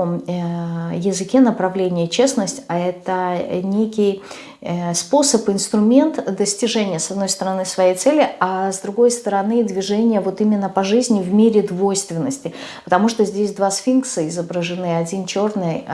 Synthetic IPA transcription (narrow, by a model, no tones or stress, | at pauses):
om | jɪzɨkʲenəpɾɐvlʲenʲɪjət͡ɕe̞snəsʲtʲɐɛt̪ənʲekʲɪj | spo̞səpɨɪnst̪ɾʊmʲe̞nt̪d̪əsʲtʲɪʐɛnʲɪjəsɐd̪no̞jst̪əɾɐnɨsvɐjejt̪sɛlʲɪazd̪ɾʊɡo̞jst̪əɾɐnɨd̪vʲɪʐɛnʲɪjəvo̞t̪imʲɪnːəpɐʐɨzʲnʲɪvmʲeɾʲɪd̪vo̞jst̪vʲɪnːəsʲtʲɪpət̪ɐmuʂt̪ozʲdʲesʲd̪vasfʲinkt̪sɨɪzəbɾəʐɨnɨɐdʲint͡ɕo̞rnɨj